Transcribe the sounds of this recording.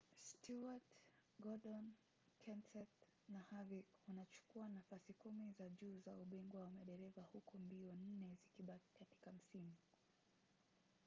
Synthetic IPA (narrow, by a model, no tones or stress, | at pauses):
stʰuatɡɔɗɔn | kʰɛnsɛt | nahavikunat͡ʃu̥kuanafasikumizaʄuːzauɓiŋɡwawamaɗɛɾɛvahukɔmbiɔnn̩nɛzikiɓaki̥kati̥kam̩simu